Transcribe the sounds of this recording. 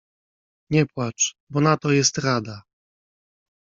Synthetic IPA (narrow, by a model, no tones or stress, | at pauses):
ɲɛpwat͡ʂ | bɔnat̪ɔjɛst̪ɾad̪a